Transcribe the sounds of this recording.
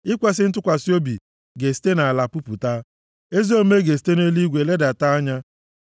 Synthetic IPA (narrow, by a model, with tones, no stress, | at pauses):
ɪ˦kʷe˦s̬ɪ˦n̩˦t̬ʊ˦kʷa˨si˦o˦bḭ˨ | ɡe˨si̥˦te˦na˨a˨la˨pu˦pu˨ta˦ | e˦zi˦o˦me˦ɡe˨s̬i̥˦te˦ne˦li˦ɡʷe˨le˦da˨ta˦a˦ɲa˦